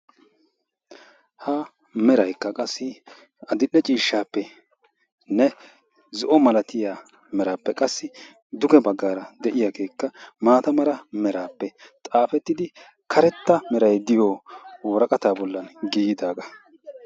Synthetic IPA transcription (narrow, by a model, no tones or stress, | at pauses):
hɐ | mɛɾɐjkːɐkʼɐsːɪ | ɐd̪ɪʔːɛt͡ʃʼiːʃːaːpːɛ | nɛ | zɔʔɔmɐlɐt̪ɪjaː | mɛɾaːpːɛkʼɐsːɪ | d̪ʊɡɛbɐɡːaːɾɐd̪ɛʔɪjaɡe̞ːkːɐmaːt̪ɐmɐɾɐmɛɾaːpːɛt̪ʼaːfɛt̪ːɪd̪ɪ | kʰɐɾɛt̪ːɐmɛɾɐjd̪ɪjɔwoːɾɐkʼɐt̪aːbɔlːɐnɡiːɪd̪aːɡɐ